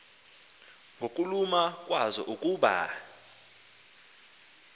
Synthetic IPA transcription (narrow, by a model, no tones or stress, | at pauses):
ŋɡʱokʼulumakʼwazɔ̰ʔukʼuːɓa̰